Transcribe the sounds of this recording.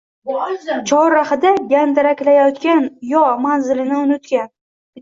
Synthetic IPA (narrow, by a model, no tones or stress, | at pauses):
t͡ʃʰɒɾːahɪd̪aɡʲand̪ɪɾakʲlajɒt̪kʲanjɒmanzɪlɪnɪʊnɪt̪kʲan